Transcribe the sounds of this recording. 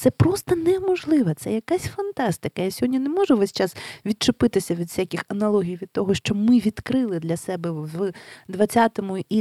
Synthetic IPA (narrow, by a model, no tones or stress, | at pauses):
t̪sɛpɾɔst̪ɐnɛmɔʒlˠɪʋɐt̪sɛjɐkasʲfɐnt̪ɑst̪ɪkɐjasʲɔɦɔdʲnʲinɛmɔʒʊʋɛsʲt͡ʃɑsʋʲid̪̚t͡ʃʊpɪt̪ɪsʲɐʋʲid̪fsʲakʲixɐnɐlˠɔɦʲijʋʲid̪̚t̪ɔɦɔʃt͡ʃɔbmɪʋʲid̪kɾɪlˠɪd̪lʲɐsɛbɛ | d̪ʋɐt͡sʲːat̪ɔmʊʔi